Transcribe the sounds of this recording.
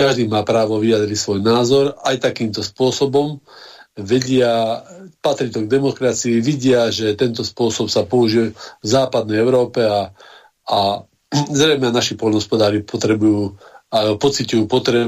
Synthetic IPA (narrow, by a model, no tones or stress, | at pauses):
kaʒd̪iːmaːpɾaːʋɔʋiad̪ɾicsʋɔjnaːzɔɾajt̪akiːmt̪ɔspʊɔsɔbɔm | ʋɛɟɪapat̪ɾit̪ɔɡ̚d̪ɛmɔkɾat͡siiʋiɟɪaʒɛt̪ɛnt̪ɔspʊɔsɔpsapɔuʒɪɛvzaːpad̪̚nɛjɛʊɾɔːpɛa | a | zɾɛjmɛanaʃipɔlnɦɔspɔd̪aːɾipɔt̪ɾɛbujuːapɔt͡sicujuːpɔt̪ɾɛ